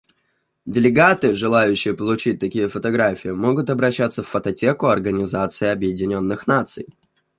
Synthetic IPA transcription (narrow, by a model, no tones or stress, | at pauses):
dʲɪlʲɪɡat̪ɨʐɨlˠajʉɕːɪjəpəlˠʊt͡ɕit̚ʲt̪ɐkʲijəfət̪ɐɡɾafʲɪɪmo̞ɡʊt̪ɐbɾɐɕːat̪səfːət̪ɐtʲe̞kʊɐrɡənʲɪzat̪sɨɪɐbjɪdʲɪnʲo̞nːɨxnat̪sɨ̰j